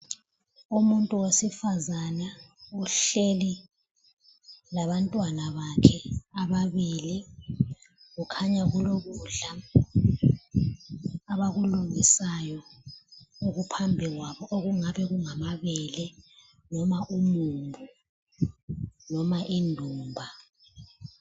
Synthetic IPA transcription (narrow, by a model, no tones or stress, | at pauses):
umuntʼuwesifazanauɬeli | laβantʼwanaβakʰɛaβaβili | ɣukʰaɲaɣuloɣuɮa | aβaɣuluŋisajɔ | uɣupʰambʱiɣwaβɔʔoɣuŋaβɛɣuŋamaβɛlɛ | nɔmaʔumumbʱu | nɔmaʔindʱuːmbʱa